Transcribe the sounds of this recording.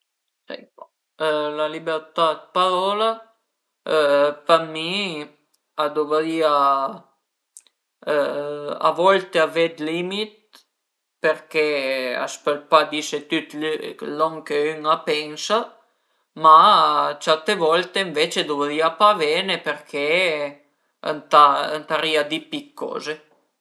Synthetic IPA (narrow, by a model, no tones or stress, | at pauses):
ɛ̰ | lalibɛɾt̪ad̪̚paɾɔla | pami | ad̪ɔvɾia | a̰vɔlt̪eavɛd̪limit̪̚ | pɛɾkɛa̰spəlpad̪iʃet̪yt̪lɔŋkeyŋapɛŋsa | mat͡ʃat̪evɔlt̪eiɱvet͡ʃed̪uvliapavɛnepeɾkʰe | ə̰nt̪aənt̪aɾiad̪ipikʰːɔ̰ːze